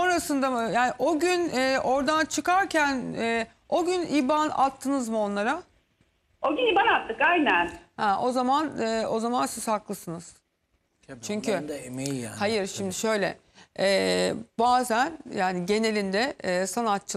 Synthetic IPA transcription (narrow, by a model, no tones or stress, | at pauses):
so̞nɾasɯnd̪amjaːniʔo̞ɟynɛːʔo̞ɾd̪ant͡ʃʰɯkaɾcʰænɛː | o̞ɟynibana̰t̪ʰːɯnɯzmo̞nlˠaɾa | oɟyniːbanat̪ʰːɯkajnænhɛʔo̞zamanɯo̞zamansizhaklˠɯsɯnɯz̥ | t͡ʃʰyɲcʰy | hajɯɾʃimd̪ɪʃø̞jlʲɛ̰ | ɛːbaːzænjaːniɟe̞ne̞lʲind̪ɛɛːsanat̪̚t͡ʃʰɯ